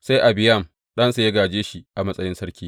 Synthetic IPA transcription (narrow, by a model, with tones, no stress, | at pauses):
sa˦jʔa˨bɪ˨jɐ˦˨m | ɗɐ˦nsa˨jɐ˦ɡaː˨d͡ʒeː˦ʃi˦ʔa˨mɐ˦sʼɐ˦jɪ˦nsɐ˦ɽkʲiː˦